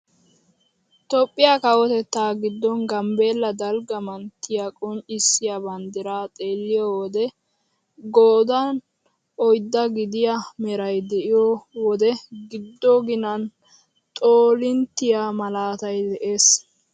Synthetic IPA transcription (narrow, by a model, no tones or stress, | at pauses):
t̪ɔpʼːɪjakɐwɔt̪ɛt̪ːaːɡɪd̪ːɔnɡɐmbe̞ːlːɐd̪ɐlɡɐmɐnt̪ːɪjakʼɔnt͡ʃʼːɪsːɪjabɐnd̪ɪɾaːt̪ʼe̞ːlːɪjɔwɔd̪ɛ | ɡoːd̪ɐn | ɔjd̪ːɐɡɪd̪ɪjamɛɾɐjd̪ɛʔɪjɔwɔd̪ɛɡɪd̪ːɔɡɪnɐn | t̪ʼoːlɪnt̪ːɪjamɐlaːt̪ɐjd̪ɛʔe̞ːs